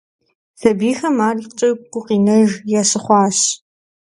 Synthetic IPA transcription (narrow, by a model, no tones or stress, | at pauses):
sɐbiːxɐmaːriqt͡ʃʼɐqʷʊqiːnɐʒjaːsɨχʷɑːɕ